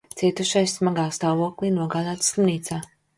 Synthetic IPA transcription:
t̪siɛt̪uʃajsmaɡaːst̪aːvuɔklinuɔɡaːd̪aːt̪sˠumniːt̪saː

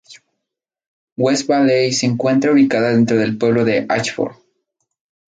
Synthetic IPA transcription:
wesbaðejseːŋkwe̞nt̪ɾauβikaðaðe̞nt̪ɾo̞ðe̞lpwe̞β̞lo̞ðe̞ʔat͡ʃfo̰ɾ

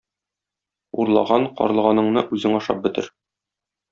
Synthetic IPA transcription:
uɾlˠɑ̰ʁɑɴqɒ̰ɾɤl̆ˠʁɑnɤ̆ɴnɤʔʉzɘŋɒʃɑ̰p̚bɘ̆t̪ɘɾ

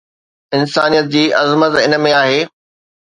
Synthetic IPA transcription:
ɪnsaːnijət̪̚d͡ʑiːʔɐzmət̪ɪnə̆mẽaːɦeː

